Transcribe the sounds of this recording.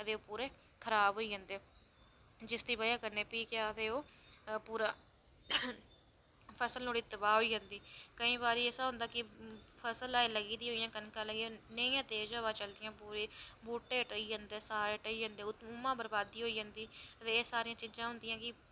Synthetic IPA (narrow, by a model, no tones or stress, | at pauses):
ət̪eːoːpuːɾeː | kʰəɾaːbɦoːiːd͡ʒãːnd̪eː | d͡ʒɪsd̪iːbəjaːkəɾneːpiːkeaːd̪eːoːpuːɾaː | pʰəsəlnoːɽiːt̪ːəbaːɦoːiːd͡ʒãːnd̪iːkəĩːbaːɾiːeːsaːɦʊ̃nd̪aːkɪpʰəsəlaːeːləɡiːd̪iːɦoːijãːkənkãːləɡiːoːnəĩjãːt̪eːd͡ʒãːʋãːt͡ʃəld̪ɪjãːpuːɾeːbuːʈːeːʈəiːd͡ʒãnd̪eːsaːɾeːʈəiːd͡ʒãːnd̪eːʊt̪muːmãːbəɾbaːd̪ːiːɦoːiːd͡ʒãːnd̪iːət̪eːeːsaːɾɪjãːt͡ʃɪd͡ʒãːɦʊnd̪ɪjãːkɪ